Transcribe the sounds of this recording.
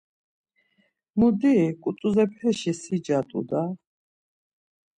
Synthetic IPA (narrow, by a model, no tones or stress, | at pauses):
mud̪ikʼut̪ʼuzɛpʰɛʃisid͡ʒat̪ʼṵd̪a